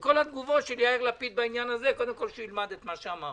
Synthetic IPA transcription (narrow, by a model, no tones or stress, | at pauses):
ko̞lad̪ɡuvo̞tʃeljaeʁlapit̪̚bainjanazeko̞d̪emko̞lʃeilmad̪et̪maʃeamaʁ